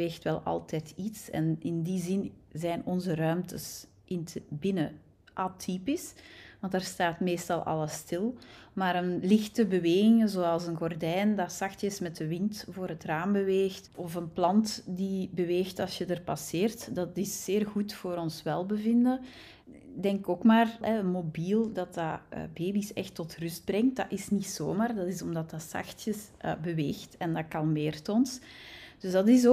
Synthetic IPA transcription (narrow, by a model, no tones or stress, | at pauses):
eːxtʋɛlˠɑ̰lˠtɛjtʰitsɛ̰nɪndizɪnzɛːnɔnzərœɥmtəs | ʔɪntəbɪnə | ʔatʰipɪsʋɑndaːrstaːtmeːstɑlˠʔɑ̰lˠəstɪlˠmaːɾənlɪxtəbəʋeːɣɪŋəzoːɑlˠsənɣɔrdɛjndasɑxtjəsmɛtəʋɪntvoːɾɦətraːmbəʋeːxtɔfənplɑntdibəʋeːxtɑlˠsjədərpɑseːrtdɑtɪsːeːrɣutfoːɾɔnsʋɛlˠbəvɪndə | dɛŋkoːkmaːrɛənmobilˠdɑtaə̰beːbisɛ̰xtːɔtrʏsd̚brɛŋt̚dɑʔɪsnitsoːmaːrdɑtɪsɔmdɑtɑsɑ̰xtjəs | bəʋeːxtɛndɑkɑlˠmeːrtɔnsd̥ʏzdɑtɪs̬o